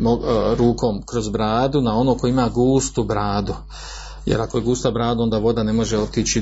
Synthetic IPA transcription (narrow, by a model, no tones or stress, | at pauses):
moɾuːko̞ːmkɾozbɾaːd̪unao̞nokoimaːɡuːst̪ubɾaːd̪u | jḛɾako̞jeɡuːst̪abɾaːd̪uo̞nd̪aːʋo̞d̪ane̞mo̞ʒe̞o̞t̪it͡ʃi